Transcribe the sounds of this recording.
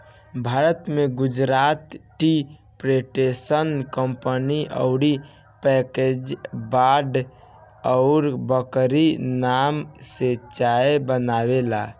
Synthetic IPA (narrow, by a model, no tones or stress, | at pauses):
bʱaɾət̪meɡud͡ʒɾat̪ʈi | pɾeʈesənkəmpəniʔə̰ʊɽi | pɛked͡ʒbaɖ | əʊɾbəkɾinamset͡ʃaebənaβela